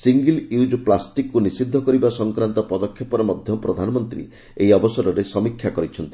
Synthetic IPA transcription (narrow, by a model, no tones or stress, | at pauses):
siŋɡiljud͡ʒplasʈikːunisid̪ʱːɔkɔɾibasɔŋkɾant̪ɔpɔd̪ɔkʰːjɔpɔɾɔmɔd̪ʱjɔpɾɔd̪ʱanɔmɔnt̪ɾḭ | ejɔbɔsɔɾɔɾesɔmikʰːjakɔɾit͡ʃʰɔnt̪i̥